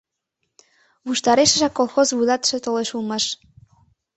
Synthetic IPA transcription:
βuʃt̪ɑɾeʃə̆ʒɑkːolˠxozβɯlˠɑt̪ʃĕt̪oleʃulˠmɑʃ

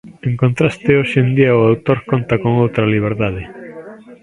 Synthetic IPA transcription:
ẽŋkõnt̪ɾast̪ɪoʃend̪iɐʊawt̪oɾkont̪ɐkoŋowt̪ɾɐliβ̞eɾðað̞ɪ

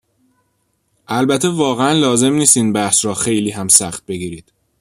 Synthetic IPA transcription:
ʔælbæt̪ʰevɒːɣeænlɒːze̞mniːst̪iːnbæhsɾɒːxe̞jliːɦæmsæxt̪̚be̞ɡiːɾiːd̪̥

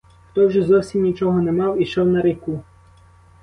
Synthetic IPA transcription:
xt̪ɔwʒɛzɔwsʲimnʲit͡ʃɔɦɔnɛmɑwiʃɔwnɐɾeku

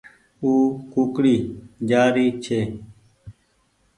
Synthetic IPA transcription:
uːkuːkɽiːd͡ʒaːɾiːt͡ʃʰeː

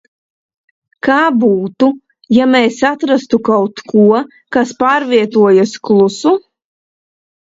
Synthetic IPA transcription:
kaːbuːt̪u | jamɛjsat̪ɾast̪ukawt̪kʰuɔ | kaspaːɾviɛt̪uɔjasklˠusu

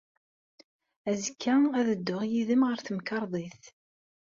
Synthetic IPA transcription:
æzəkːææðəd̪ːʊʁjiðəmʁəɾθəmkɑɾˤðˤiθ

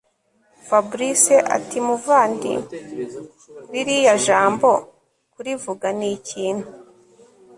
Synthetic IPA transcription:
fabuɾiseʔa̰timuvaːndḭ | ɾiɾijaʒaːmbo̞ | kuɾivuɡaniːciːn̥hu

